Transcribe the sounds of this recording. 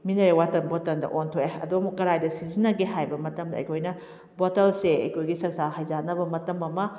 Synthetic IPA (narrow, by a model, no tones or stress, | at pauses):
minɐɾewatɐnbotɐndɐ̰ʔontʰoeɐ̰duɐmukɐɾajdɐsizinɐɡeɦajbɐmɐtɐmdɐ̰ːjkʰojnɐ | botɐlseɐ̰jkʰojɡisɐsahajzanɐbɐmɐtɐmɐmɐ